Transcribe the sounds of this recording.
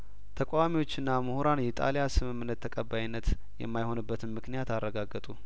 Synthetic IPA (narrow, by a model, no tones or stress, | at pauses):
t̪ʰəkʷʼawamiwo̞t͡ʃːɨnːamɨhuɾanjɛt̪ʼa̰ljasɨmɨmːɨnːət̪ʰːəkʼəbːajɪnːət̪ | jɛ̰mːajho̞nɨbːət̪ʰɨnmɨknijat̪arːəɡaɡːɨt̪ʼu